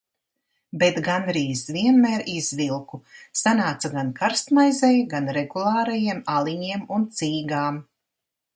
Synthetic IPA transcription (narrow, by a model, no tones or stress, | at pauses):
bet̪ɡanɾiːzviɛnmɛːɾiz̥vilˠkusanaːt̪saɡankaɾst̪majzɛjɡanɾɛɡulˠaːɾajiɛmalˠiɲiɛmunt̪siːɡaːm